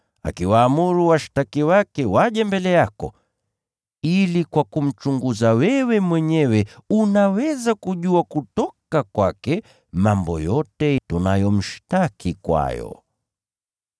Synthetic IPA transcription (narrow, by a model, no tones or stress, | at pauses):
a̰kiwaːmuɾuwaʃtakiwakɛwaʄɛmbɛlɛjakɔ̰ | ilikwakum̩t͡ʃuŋɡuzawɛwɛmwɛɲɛwɛunawɛzakuʄuakutɔkakwakɛ | mambɔ̰jɔtɛtunajɔm̩ʃtakikwa̰jɔ̰